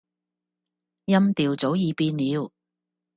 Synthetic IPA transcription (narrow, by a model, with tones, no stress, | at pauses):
jɐ˥mt̪iː˨wt͡so˨˥wjiː˨˧piː˧nliː˨˧w